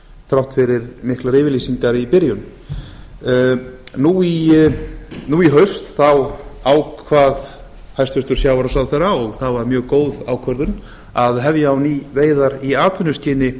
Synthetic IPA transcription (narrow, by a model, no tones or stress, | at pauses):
θɾawht̪fɪɾɪɾmɪhklaɾɪːvɪɾliːsiŋkaɾipɪɾjʏn | nui | nuiɦœɥst̪θawawkʰvaːð | hajst̪fʏst̪ʏɾ̥sjaːwvaɾasawðθeɾaɔɣθaðvaɾmjœːɣkoːwðawkʰœɾðʏn | aðɦɛvjaːwniːveːjðaɾiaːt̪vʏnːʏscɪːnɪ